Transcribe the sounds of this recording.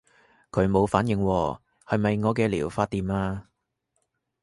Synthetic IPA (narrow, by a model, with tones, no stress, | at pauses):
kʰɵ˨˧ɥmo˨˧wfaː˨˥njɪ˨˧ŋwɔː˧ | hɐ˨jmɐ˨jŋɔː˨˧k̬ɛː˧lḭː˨˩wfaː˧t̚t̪iː˨˩maː˧